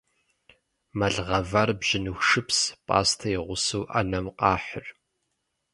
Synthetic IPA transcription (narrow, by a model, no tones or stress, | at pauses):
mɐɮʁɐvɐrbʒ̥ɪnuxʂɨpspʼa̰ːstʰɐiʁʷʊsɨwʔɐ̰nɐmqɑːħʊr